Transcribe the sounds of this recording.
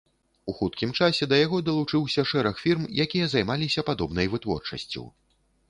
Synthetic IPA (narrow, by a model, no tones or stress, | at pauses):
uxut̪̚kʲimt͡ʂasʲɛd̪ɐjaɣɔd̪ɐlˠut͡ʂɨwsʲɐʂɛɾɐxfʲirmjakʲijɐzajmalʲisʲɐpad̪ɔbnɐjvɨt̪vɔ̰rt͡ʂɐ̰sʲt͡sʲṵw